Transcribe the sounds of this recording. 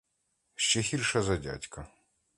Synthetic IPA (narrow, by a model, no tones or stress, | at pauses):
ɕt͡ʃexʲirʃɐzɐdʲa̰tʲkɐ